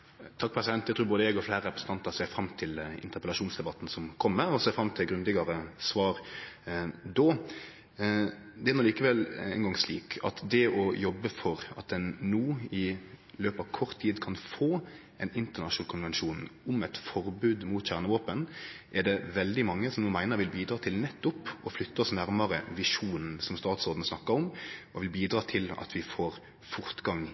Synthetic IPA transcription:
t̪ʰɑk̚ːpʰɾɛsɪd̪ɛnt̪ːjæɪt̪ʰɾʉːɾboːd̪əɛɡɔfleːɾəɾɛpɾəsn̩t̪ʰɑnt̪əʁseːfɾɑmːt̪ʰɪlɪ̰nt̪əɾpəlɑʂuːnsd̪ɛbɑt̪ːn̩sɔmkʰɔmːəɾɔseːfɾɑmt̪ʰɪlɡɾʉnd̪ɪɡɑɾəsʋɑːɾ | d̪oː | d̪ɛæɾnɔliːkəʋɛlɛ̰nɡɑŋsliːkʰɑ̰t̪d̪ɛɔjɔbːəfɔɾɑ̰t̪̚d̪ɛnːuːɪløːpɑʋkʰɔʁt̪ʰːiːd̪kʰɑnfoː | ɛnɪnt̪əʁnɑʂnɑːlkʰʊnʋɛnʃuːnʊmɛt̪fɔɾbʉːd̪mʊːt̪çæʁnəʋoːpənʔɛd̪ɛʋɛld̪ɪmɑŋːəsɔmnuːmæɪnəɾʋɪlbiːd̪ɾɑːt̪ʰɪlnɛt̪ːʊpɔflʏt̪ːɔsnæɾməɾəʋɪʂuːnsɔmst̪ɑːt̪sɔːd̪n̩snɑkːəɾɔmʔɔʋɪlbiːd̪ɾɑːt̪ʰɪlɑ̰t̪ʰʋɪfoːɾ | fʊɾt̪ɡɑŋ

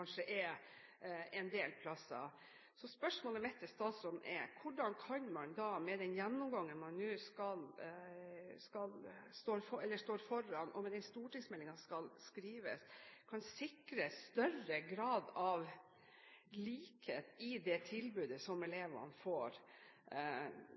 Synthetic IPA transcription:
ɑnʂəʔɛ | ɛnd̪eːlpʰlɑsɑ̰ | sɔspœʂmoːləmɛt̪ːəst̪ɑːsɾɔnːʔɛ̰kʰʊɖɑnkʰɑnmɑnd̪ɑmɛd̪ɛnjɛnːʊmɡɑŋːənmɑnːʉːskɑl | skɑlst̪oːɾfɔɛlːəʂt̪oːɾfɔɾɑnʔɔmɛd̪ɛnst̪uːʈɪŋsmɛlːɪŋɑskɑlskɾiːʋəskʰɑnsɪkɾəst̪œɾəɡɾɑːd̪ɑʋ | liːkheːt̪ɪd̪ɛt̪ʰɪlbʉːd̪əsɔmɛleːʋɑ̰nfoːɾ

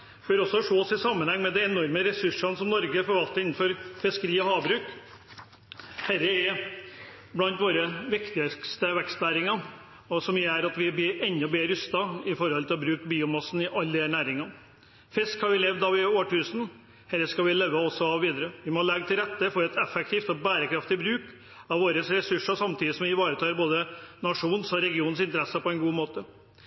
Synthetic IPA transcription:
føːɾɔsːɔʂoːɔsɪsɑmːənhɛŋːmɛd̪ɛɛnɔɾməɾɛsʉʂɑnəsɔmnɔɾɡəɛfɔɾʋɑlt̪əɾɪnn̩fɔɾfɛskəɾiːɔhɑːʋbɾʉːk | hɛɾːəɛ | blɑnt̪ʋoːɾəʋɪkt̪ɪəkst̪əʋækst̪næːɾɪŋɑ | ɔsɔmjæːɾɑt̪ʋɪbɪʔɛɲnːɔbeːɾʉst̪ɑɪfɔɾhɔlt̪ʰɪlbɾʉːkbiːʊmɑsn̩ɪʔɑlːd̪ɪhæɳæːɾɪŋɑ | fɪskhɑɾʋɪlɛʋd̪ɑʋɪoːʈʰʉːsn̩ | hɛlːəskɑʋɪlœʋːəɔsɔɑʋʋiːd̪əɾəʋɪmɔlɛɡt̪ʰɪlɾɛt̪ːəfɔɾɛt̪ɛfɛk̚t̪ʰiːft̪ɔbæːɾəkʰɾɑft̪ɪbɾʉːk | ɑʋʋoːɾəsɾɛsʉʂəsɑmt̪ʰiːd̪ɪsɔmʋɪʋɑːɾət̪ʰɑːɾboːd̪ənɑʂuːnsɔɾɛɡɪuːnsɪnt̪əɾɛsːəpʰɔɛnɡuːmoːt̪ə

